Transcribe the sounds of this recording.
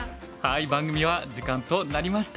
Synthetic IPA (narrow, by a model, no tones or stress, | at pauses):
haibãŋɡɯ̟mʲiβad͡ʑikãnt̪o̞naɾʲimaɕi̥t̪